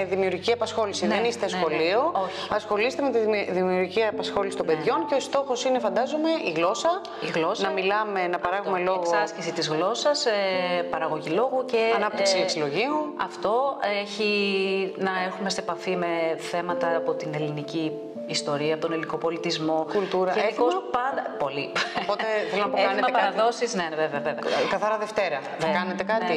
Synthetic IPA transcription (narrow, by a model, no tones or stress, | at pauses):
ðimiuɾʝiciɐpɐsxo̞lisinenist̪esxo̞liooçiɐsxo̞lise̥t̪eme̞t̪iðimiuɾʝiciɐpɐsxo̞lisi̥t̪ombe̞ðʝo̞nceost̪o̞xo̞sine̞fɐnd̪ɐzome̞iɣlo̞sɐ | iɣlo̞snɐmilɐme̞nɐpɐɾɐɣume̞lo̞ɣksoɐsçesit̪izɣlo̞sɐsepɐɾɐɣo̞ʝilo̞ɣuceɐnɐp̚t̪iksieksilo̞ʝiuɐft̪o̞eçi | nɐeɾxume̞st̪epɐfime̞θe̞mɐt̪ɐːpo̞t̪ine̞liniciː | st̪o̞ɾiɐpot̪onelinikopo̞lit̪izmo̞kult̪uɾɐeeikospɐnd̪ɐpo̞lipot̪eθelonɐpoeɐnetmɐpɐɾɐðo̞sizne̞nveveɐvevɐkɐθɐɾɐðeft̪e̞ɾɐ | ðekɐnet̪ekɐni